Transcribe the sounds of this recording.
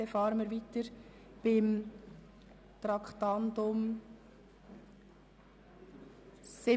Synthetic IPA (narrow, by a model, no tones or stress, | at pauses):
ɛfɑːɾəməɾʋitəɾ | b̥ɪm | t̪ɾɑkχtɑntʊm | sɪ